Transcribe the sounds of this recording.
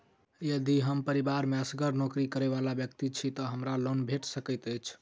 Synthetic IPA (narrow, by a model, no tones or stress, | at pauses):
jəd̪iɦəmpəɾibaɾmeəsɡəɾnokɾikəɾebalabjək̚t̪it͡ʃʰit̪ɔɦəmɾalonbʱeʈsəkəjt̪əjt͡ʃʰ